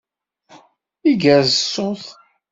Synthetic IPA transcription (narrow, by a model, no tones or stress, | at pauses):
iɡæzəsːoθ